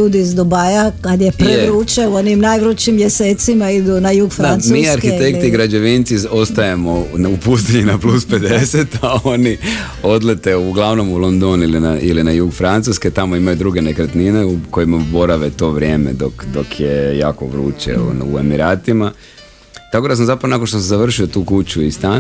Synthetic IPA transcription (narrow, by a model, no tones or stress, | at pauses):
uːd̪iːzd̪obajakad̪jepɾeʋɾuːt͡ʃeuonimnajʋɾut͡ʃimjeseːt̪simaid̪unajuːɡfd̪anmiːaɾxit̪ek̪iɡɾad͡ʑe̞ʋint̪siost̪ajemonupust̪iɲenaplusped̪eset̪ao̞ni | o̞d̪le̞t̪e̞uɡlˠaʋno̞mulˠo̞nd̪onilinailinajuːɡfɾant̪susket̪amo̞imajud̪ɾuɡe̞nekɾat̪nineukojimabo̞ɾaʋet̪o̞ːʋɾʲje̞ːme̞̰d̪okd̪okʰjejaːkoʋɾṵːt͡ʃḛṵe̞̰miɾaːt̪ima | t̪ako̞d̪as̬amzapɾɐʋonakonʃt̪os̬ezaʋr̩ʃio̞t̪uːkut͡ɕuist̪an